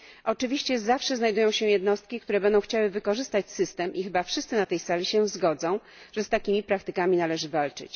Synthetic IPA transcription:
ʔɔt͡ʂɘvʲiɕt͡ɕɛzafʂɛznajd̪ujɔ̃w̃ɕɛjɛd̪nɔst̪̚kʲikt̪uɾɛbɛnd̪ɔ̃w̃xt͡ɕawɘvɘkɔʐɘst̪at͡ɕsɘst̪ɛmʔixɘbafʂɘst̪sɘnat̪ɛjsalʲiɕɛ̃zɡɔd̪zɔ̃w̃ | ʐ̥ɛst̪akʲimʲipɾakt̪ɘkamʲinalɛʐɘvalt͡ʂɘ̰t͡ɕ

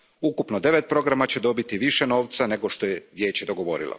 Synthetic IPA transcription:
ukupnod̪e̞ʋe̞t̪̚pɾo̞ɡɾamat͡ɕed̪o̞bit̪iʋiʃeno̞ːʋt̪sane̞ɡo̞ʃt̪o̞jeʋje̞ːt͡ɕed̪o̞ɡo̞ʋo̞̰ɾḭlo̰

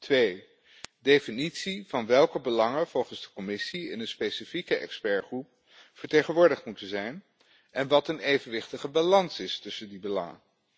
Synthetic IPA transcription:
tʋej | dejfinitsiv̥ɑnʋɛlˠkəbəlɑŋəv̥ɔlˠχənzdəkɔmɪsiɪ̰nənspejsifikəʔɛ̰kspɛɹχrup̚ | fəɹtejχənʋʊːɹdəχtmutənzɛjn | ɛnʋɑtənejvənʋɪχtəχəbɑlɑnsɪstɵsəndibəlɑŋə̰

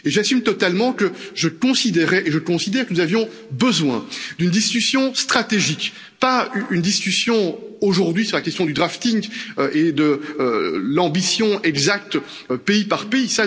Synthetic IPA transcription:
eʒasymt̪ɔt̪almɑ̃kəʒəkɔ̃sid̪ɛʁɛʔeʒəkɔ̃sid̪ɛʁkənuzavjɔ̃ | bəzwɛ̃d̪ynd̪iskʲysjɔ̃st̪χat̪eʒik | paynd̪iskʲysjɔ̃oʒuʁd̪ɥisyʁlakʲɛst̪jɔ̃d̪yd̪ʁaft̪iŋɡøʔed̪əølɑ̃bisjɔ̃ɛɡzak̚t̪ | øpeipaʁpeisa

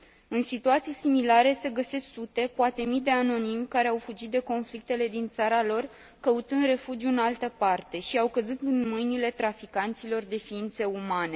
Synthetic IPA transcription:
ɨnsit̪uat̪sijsimilaɾe̞se̞ɡəse̞sksut̪e̞poat̪e̞mid̪e̞ano̞nimkaɾe̞awfud͡ʒit̪̚d̪e̞ko̞nflik̚t̪e̞le̞d̪int̪saɾalo̞r | kəut̪ɨnd̪re̞fud͡ʒjuɨnalt̪əpart̪e̞ʃiawkəzut̪ɨnmɨjnile̞t̪ɾafikant̪silo̞rd̪e̞fiint̪se̞umane̞

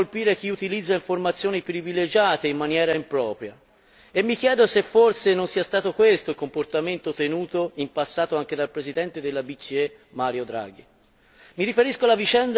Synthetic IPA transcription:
olpiːɾek̟iut̪ilid̪zːaiɱformat̪sːjoːnipɾiviled͡ʒaːt̪eimːanjɛːɾaimpɾɔːpɾja̰ | emːikjɛːd̪osefːorsenonsiːast̪aːt̪okwest̪oilkomport̪ament̪ot̪enuːt̪oimpasːaːt̪oaŋk̟ed̪alpɾezid̪ɛnt̪ed̪elːabit͡ʃie | maːɾjod̪ɾa̰ːɡ̟i | miɾifeɾiskoalavit͡ʃɛnd̪

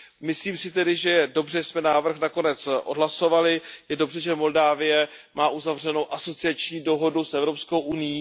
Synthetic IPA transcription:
mɪsliːmsɪt̪ɛdɪʒɛjɛdo̞br̝ɛsmɛnaːvr̩xnako̞nɛt͡sʔo̞dɦlaso̞valɪjɛdo̞brɛʒɛmo̞ldaːvɪjɛmaːʔuzavr̝ɛno̞wʔaso̞t͡sɪat͡ʃɲiːdo̞ɦo̞dusʔɛvɾo̞pskowʔunɪjiː

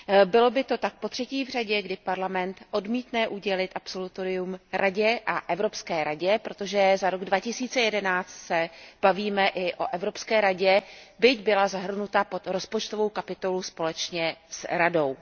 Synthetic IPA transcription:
bɪlo̞bɪt̪o̞t̪ak̚po̞t̪r̝̥ɛciːvr̝aɟɛɡdɪpaɾlamɛnt̪ʔo̞dmiːt̪nɛʔuɟɛlɪt̪ʔapso̞lut̪oɾɪumɾʔaɟɛʔaʔɛvɾo̞pskɛːɾaɟɛpɾo̞t̪o̞ʒɛzaɾo̞ɡdvacɪsiːt͡sɛjɛdɛnaːt͡st̪sɛb̥aviːmɛʔɪʔo̞ʔɛvɾo̞pskɛːɾaɟɛbɪcbɪlazaɦr̩nut̪apo̞t̪ɾo̞spo̞t͡ʃt̪ovo̞wkapɪt̪o̞luspo̞lɛt͡ʃɲɛsɾado̞w

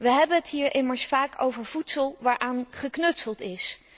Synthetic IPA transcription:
ʋəɦɛbənɦətɦiːɹʔɪməɹsfaːko̰wvəɹv̥utsəlˠʋaːɹʔaːnχəknɵtsəlˠtɪs

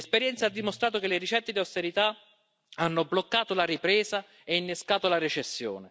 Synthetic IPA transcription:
lespeɾjɛnt̪saad̪ːimost̪ɾaːt̪okelɪrit͡ʃɛt̪ːed̪iawst̪eɾit̪a | anːʊblokːaːt̪olaɾipɾɛːza | einːeskaːt̪olaɾit͡ʃesːjo̰ːnɪ

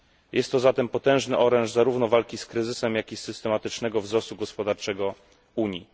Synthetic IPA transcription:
jʔɛst̪ːɔzat̪ɛmpɔt̪ɛ̃w̃ʐnɘʔɔɾɛ̃ñʐzaɾuvnɔvalkʲiskɾɘzɘsɛmjakʲisːɘst̪ɛmat̪ɘt͡ʂnɛɡɔvzɾɔst̪uɡɔspɔd̪aɾt͡ʂɛɡɔ | uɲi

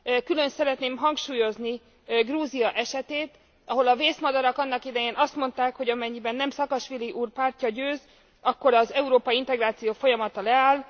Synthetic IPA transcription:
kylønsɛɾɛt̪neːmɦɒŋkʃuːjo̞zni | ɡruːziɒʔɛʃɛt̪eːt̪ | ɒɦo̞lɒveːsmɒd̪ɒɾɒkɒnːɒkid̪ɛjeːnʔɒst̪mo̞nt̪aːkho̞ɟɒmɛɲːibɛnːɛmsɒkɒʃʋiliʔuːrpaːrcɒɟøːz | ɒkːo̞ɾɒzɛuɾoːpɒjiint̪ɛɡraːt̪sijoːfo̞jɒmɒt̪ɒlɛaːl

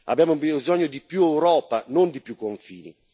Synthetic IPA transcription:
a̰bjamʊbiizɔɲːod̪ipjuɛwɾɔːpanond̪ipjukːoɱfiːnḭ

